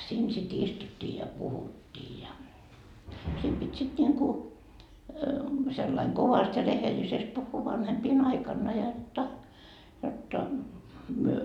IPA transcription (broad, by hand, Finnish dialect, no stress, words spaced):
siːn sit istutːiː jɑ puhutːiː jɑ sit pitʲ sit nʲiŋku selːɑiŋ koʋɑst jɑ rehelisest puhːuː ʋɑnhempiːn ɑikɑnːɑ jotːɑ jotːɑ myø